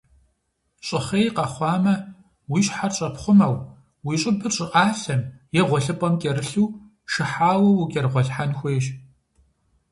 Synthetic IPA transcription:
ɕʼɪχeːjqɐχʷɑːmɐ | wiːɕħarɕʼɐpχʷʊmɐw | wiːt͡ʃʼɪbɨɕʼɪʔʼaːɬɐmjɛʁʷɔɬɨpʼɐmkʲʼɛɾɨɬuː | ʂɨħaːwɐwukʲʼɛrʁʷɔɬħanxʷeːʃ

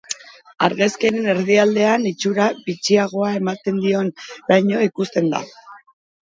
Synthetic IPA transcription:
aɾɣeske̞ɾene̞ɾðiald̪e̞anit͡ʃuɾaβit͡siaɣ̞o̞ae̞mat̪e̞nd̪io̞nlajɲo̞ikust̪e̞nd̪a̰

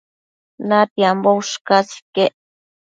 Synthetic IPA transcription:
nat̪iambowʃkasi̥keʔ

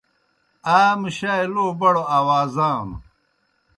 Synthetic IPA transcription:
aːmɕaːjloːbɐɽoaːwaːzaːm

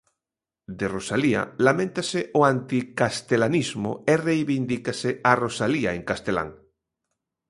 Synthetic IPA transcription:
d̪erosalia̰lamẽnt̪asɪʔoant̪ikast̪elanizmo̰erejβind̪ikasɪarosaliaeŋkast̪ela̰ŋ

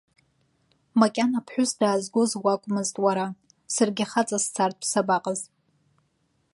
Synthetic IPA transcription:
makʲʼanapʰħʷᶣʊsdaːzɡʷozwakʷʼmɨztʼwaɾa | sɨrɡʲaχat͡sʼast͡sʰartʼpʰsabaqʼəzʼ

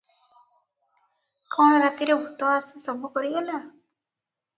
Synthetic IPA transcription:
kɔɽ̃ɔɾat̪iɾebʱut̪ɔwaːsisɔbʱukɔɾiɡela

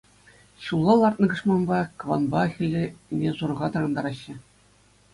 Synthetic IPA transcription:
ɕulˠːɑlˠɑrt̪̚nɤ̆ɡɤ̆ʂmɑnbɑkɤ̆ʋɑ̰nbɑxʲɘ̆lʲɘnʲezuɾɤ̆ʁɑt̪ɑɾɑnd̪ɑɾɑɕːɘ̆

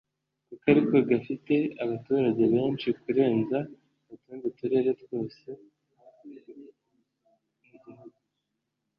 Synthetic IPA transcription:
kukaɾiko̞ɡafite̞aβatuːɾaɟe̞βe̞ːnt͡ʃikuɾe̞ːnza | βataːnzetuɾe̞ɾe̞two̞ːse̞ | ɟiuɡu

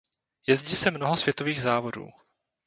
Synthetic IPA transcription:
jɛzɟiːsɛmno̞ɦosv̥jɛt̪o̞viːɣzaːvo̞dṵː

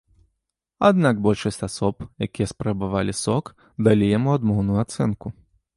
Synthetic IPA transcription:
a̰d̪naɡbɔlʲʂɐsʲtʲasɔpjakʲijɛspɾabavalʲisɔk | d̪alʲijamuad̪mɔwnujuat̪sɛnku

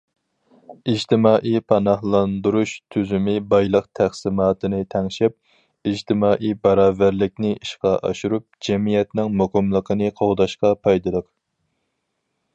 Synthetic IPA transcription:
id͡ʒt̪ʰɪmɑːʔijpʰɑnɑhlˠɑnd̪uɾuʃt̪ʰyzymɪbɑjlˠəqt̪ʰæχsɪmɑːt̪ʰɨnɨt̪ʰɛŋʃɪp̚ | id͡ʒt̪ʰɪmɑːʔijbɑɾɑːvæɾlɪk̚ʲnɪiʃqɑʔɑ̰ʃuɾup̚d͡ʒɛmijɛt̪nɪŋmuqəmlˠəqʰənɨqʰoʁd̪ɑʃqɑpʰɑjd̪ɨlˠəq

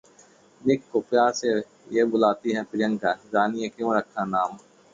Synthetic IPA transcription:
meːkkʊpjaːse | jebʊlaːt̪iɦɛpɾɪjə̃ŋkad͡ʒaːnijẽkjõːɾəkʰːãnaːm

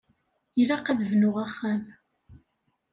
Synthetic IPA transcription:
iɾaqːæðvnʊʁæχːæm

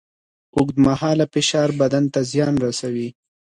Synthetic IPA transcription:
ʊɡd̪mahɑːlapɪʃɑːɾbad̪ant̪azjɑːnɾasawi

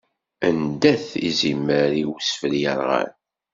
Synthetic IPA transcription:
ənd̪æθḭzimːəɾiwsfəljə̰ɾˤʁa̰n

